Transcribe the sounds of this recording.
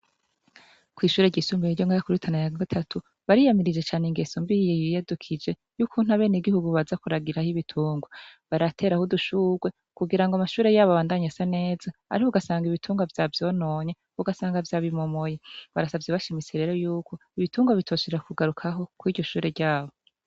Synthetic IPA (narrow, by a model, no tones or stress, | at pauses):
kwiːʃuːɾe̞ɟiːsumbiiɾɟo̞ŋɡaakuɾitʰanajaɡatʰatu | βaɾijamiɾid͡ʒet͡ʃaːneŋɡe̞sombijejijadukʰid͡ʒe̞ | jukʰun̥haβe̞ːneɡihuɡuβazakuɾaɡiɾahiβitʰuːŋɡoβaɾatʰe̞ːɾahuduʃuːɡwe̞ | kuɡiɾaŋɡoamaʃuːɾe̞jaːβoaβaːndaɲasane̞ːzaa̰ɾihouɡasaːŋɡiβitʰuːŋɡavjavjo̞ːno̞ːɲe̞ | uɡasaːŋɡavjaːβimomojeβaɾasabvjeβaʃimit͡seɾe̞ːɾo̞juːkʰo̞iβituːŋɡaβitʰo̞ːʃiɾakuɡaɾukʰaɦo̞kwiːɟɟo̞ʃuːɾeɟaːβo